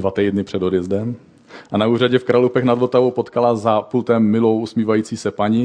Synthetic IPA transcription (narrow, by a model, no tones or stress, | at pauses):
vat̪ɛjdnɪpr̥ɛdo̞djɛzdɛm | ʔanauːraɟɛfkɾalupɛxnad̪vot̪avo̞wpot̪kalazapult̪ɛmːɪlo̞wusmiːvajiːt͡siːsɛpaɲɪ